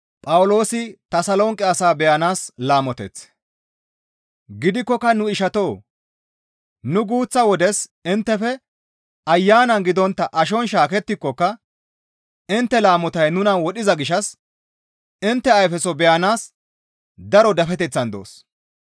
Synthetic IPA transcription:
pʼɐwʊlo̞ːsɪt̪ɐsɐlɔŋkʼːɪɐsaːbɛjɐnaːslaːmɔt̪ɛ̰t͡s | ɡɪd̪ɪkːɔkːɐnʊɪʃɐt̪o̞ː | nʊɡuːt͡sːɐwɔd̪ɛsɪnt̪ːɛfɛ | ɐjːaːnɐnɡɪd̪ɔnt̪ːɐʔɐʃ̬ɔnʃaːkɛt̪ːɪkːɔkːɐ | ɪnt̪ːɛlaːmɔt̪ɐjnʊnɐwɔɗɪzɐɡɪʃɐs | ɪnt̪ːɛɐjfɛsɔbɛjɐnaːs | d̪ɐɾɔd̪ɐfɛt̪ɛt͡sːɐnd̪o̰ːs

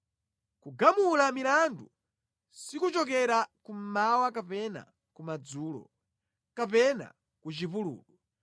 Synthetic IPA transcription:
kuɡamulamilandu | sikut͡ʃɔk̬ɛɾakum̩mawakapɛna̰ | kumad͡zuːlɔ̰ | kapɛna̰ | kut͡ʃipulṵːlu

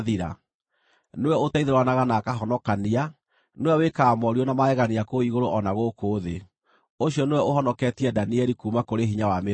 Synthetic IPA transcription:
ðiɾa̰ | newɛotaiðeɾwanaɣanakaɦɔnɔkania | newɛwekaːmɔɾiɔnamaɛɣaniakoiɣoɾoʔɔnaɣokoːðe | oɕiɔnewɛoɦɔnɔkɛtiadaniɛɾikuːmakoɾeɦiɲawame

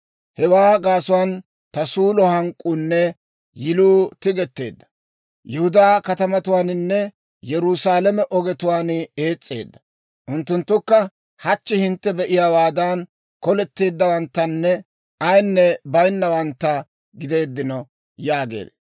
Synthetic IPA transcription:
hɛwaːɡaːsʊwaːn | t̪ɐsuːlɔhɐŋkʼːunːɛ | jɪluːt̪ɪɡɛt̪ːe̞̰ːd̪ːɐ̥ | jɛhʊd̪aːkɐt̪ɐmɐt̪ʊwaːnɪnːɛ | jɛɾusaːlɛmɛʔɔɡɛt̪ʊwaːnɪeːt͡sʼːe̞̰ːd̪ːɐ | ʔʊnt̪ːʊnt̪ːʊkːɐ | hɐt͡ʃːɪhɪnt̪ːɛbɛʔɪjaːwaːd̪aːn | kɔlɛt̪ːe̞ːd̪ːɐwɐnt̪ːɐnːɛ | ɐjnːɛbɐjnːɐwɐnt̪ːɐ | ɡɪd̪e̞ːd̪ːɪnɔ | jaːɡḛːd̪

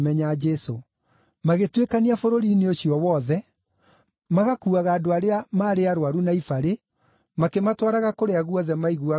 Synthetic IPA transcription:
mɛɲad͡ʒɛso | maɣetwekaniafoɾoɾineoɕiɔwɔðɛ | maɣakuːaɣaːdoaɾeamaːɾeaɾowaɾunaifaɾe | makematwaɾaɣakoɾeaɣuɔðɛmaiɣua

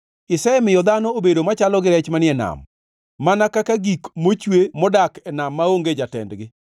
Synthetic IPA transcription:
ɪsɛɛmɪjɔd̪anɔobedomat͡ʃalɔɡɪɾɛt͡ʃmanɪɛna̰mː | anakakaɡikmot͡ʃwemɔdakɛnamːaoŋɡed͡ʒatɛ̰ndɡɪ

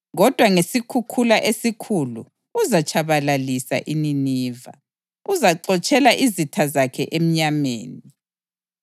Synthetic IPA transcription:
ɣɔd̥ʱwaŋesikʰukʰulaʔesikʰulṵ | uzat͡ʃʰʼaβalalisa̰ʔininiːva̰ | uzaǀɔt͡ʃʼɛlaʔizitʰazakʰɛ̰ʔem̩ɲamḛːni

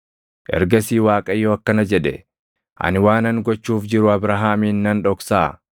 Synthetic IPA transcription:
ʔɛ̰ɾɡɐsiːwaːkʼɐjːoːɐkːɐnɐd͡ʒɛᶑɛ | ʔɐ̰nɪwaːnɐŋɡɔt͡ʃːuːfd͡ʒɪɾʊɐbɾɐɦaːmiːnːɐnᶑɔksaː

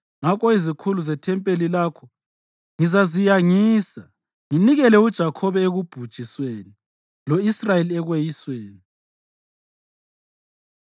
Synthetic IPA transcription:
ŋakɔizikʰuluzɛtʰɛmpʼelilaːkʰɔ | ŋizazijaŋiːsa | ŋiniɣɛlɛud̥ʒ̥ʱakʰɔβɛeɣub̥ʱud̥ʒ̥ʱisweːni | loisrajeliɛɣwejisweːni

